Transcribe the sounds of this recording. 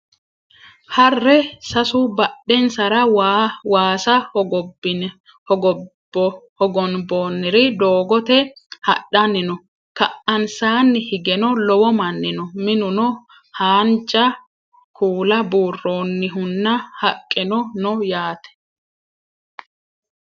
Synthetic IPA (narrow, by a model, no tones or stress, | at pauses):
hɐrːɛsɐsʊbɐɗːɛnsɐɾɐwwaːsɐhɔɔbɪn | ɔɔ | ɔhɔɡɔnboːnːɪɾɪd̪oːɡɔt̪ɛhɐɗɐnːɪnɔ | kɐʔɐnsaːnːɪhɪɡɛnɔlɔwɔmɐnːɪnɔmɪnʊnɔ | haːnt͡ʃʼːɐ | kʰuːlɐbuːrːo̞ːnːɪɦʊnːɐhɐkʼːɪnɔnɔjaːt̪ɛ̥